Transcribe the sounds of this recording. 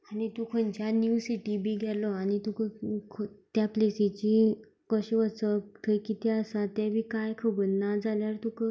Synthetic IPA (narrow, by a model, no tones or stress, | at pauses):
anit̪ukʰənt͡ɕjanjusiʈibʱiːɡʱɛlɔañit̪ukəkʰt̪japlesit͡ɕi | kəɕiʋət͡sət̪ʰəjkit̪ɛəsat̪ɛbʱikajkʰəbəɾnad͡zaljaɾt̪ukə